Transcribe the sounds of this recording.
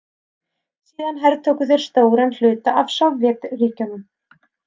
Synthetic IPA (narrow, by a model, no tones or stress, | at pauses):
siːðanɦɛɾt̪ʰowkʏθeɾ̥st̪oːwɾɛnl̥ʏːt̪aʔavsavvjɛt̪riːcʏnʏm